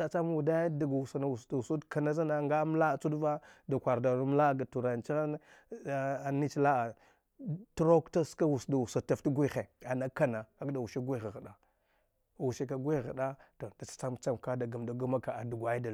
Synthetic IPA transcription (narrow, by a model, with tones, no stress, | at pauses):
a˨t͡sa˦m˦wu˨da˦ja˦da˨ɡwu˨sa˨na˨wu˨sda˨u˨su˦dka˨na˦za˦na˦ŋɡa˦m˦la˦˨t͡su˦dva˦da˨kʷa˨ɾda˨nu˦m˦la˦˨ɡa˨tu˨ɾa˨n˨t͡ʃi˦a˦ | a˨ni˦t͡ʃla˦a˨ | tu˦ɾo˦kta˦ska˦wu˨sda˨u˨sa˨ta˦˨ftɡʷi˦xe˨a˨na˦ka˦na˨a˦kda˨u˨ʃi˦ɡʷi˦ɣa˨ɣa˨da˨ | wu˨ʃe˦ka˨ɡʷi˦˨ɣa˨da˦to˨da˨t͡sḁ˦t͡sa˦mt͡sa˦mka˦da˨ɡa˨mda˨ɡu˦ma˦ka˨a˨du˨ɡʷa˨˦ji˦da˨